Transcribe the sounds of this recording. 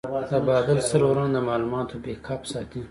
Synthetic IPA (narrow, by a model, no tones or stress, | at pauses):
d̪əbɑːd̪ɪlsəloɾãːd̪əmɑːlumɑːt̪ʰobekʰɑːpsɑːt̪i